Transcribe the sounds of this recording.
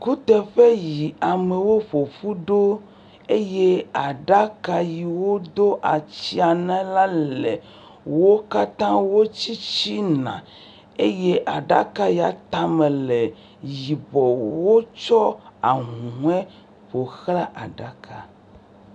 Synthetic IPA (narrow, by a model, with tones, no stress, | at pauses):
ku˦t̪ɛ˨ɸe˦ji˨a˨me˨wo˦ɸo˨ɸu˦ɖo˦ | e˦je˦a˨ɖa˦ka˦ji˨wo˦d̪o˦ʔa˨t͡ɕi˦a˨nã˦la˦le˨ | wo˦ka˦t̪ã˦wo˦t͡ɕi˦t͡ɕi˦nã̰˨ | e˦je˦ʔa˨ɖa̰˦ka˦ja˨t̪a˦mẽ˨le˨ | ji˨bɔ˨wo˦t͡ʃɔ˦a̰˨ŋũ˨ũ˦ɛ˦ | ɸo˨xla˦ʔa˨ɖa˦kʰa̰˨